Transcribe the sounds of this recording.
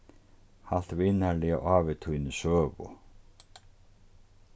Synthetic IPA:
hal̥t̪vɪnalɪa̰ʔaːvɪt̪ʰujnɪsœːvʊ̰

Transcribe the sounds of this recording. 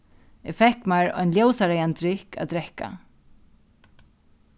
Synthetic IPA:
ɛfɛhkmaɹɔ̰jnljowsaɾɛjant̪ɾɪhka̰d̪ɾɛhka̰

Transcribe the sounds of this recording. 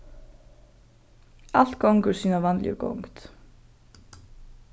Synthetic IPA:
al̥t̪̚ɡowŋkʏɾ̥siːnavanljʏ̰ɡo̰wŋkt̪

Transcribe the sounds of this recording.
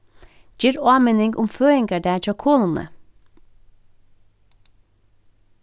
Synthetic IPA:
d͡ʒiːɾɑːmenɪŋɡʊmføːɪŋɡədæːt͡ʃɑkʰoːnənə̰

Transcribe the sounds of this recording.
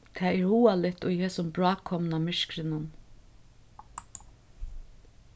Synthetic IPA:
t̪ʰɛːɛɾhuːalɪt̪ʊjhɛsʊmbɹɑːkʰːɔmnamɪʃkɾɪnʊn

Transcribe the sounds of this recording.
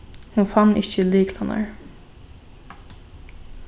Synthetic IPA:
hʊnfanːɪçt͡ʃəliːklana̰ɹ

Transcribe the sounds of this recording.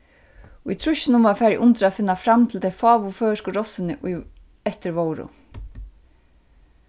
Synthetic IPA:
ʊjt̪ʰɾʊʃɪnʊmvaɾfæːɾjʔʊnt̪ɾaðfɪnːafɾamːt̪ʰɪlt̪ʰejfaːʋʊfœːʂkʊɾɔsɪnɪʔʊj | ɛht̪ɪɾʋoːwɾʊ̰

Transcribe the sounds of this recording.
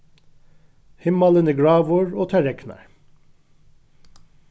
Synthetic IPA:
hɪmɑlənəːɡɹɑːʋoɹoːt̪ʰæɾɛknæ̰ɹ

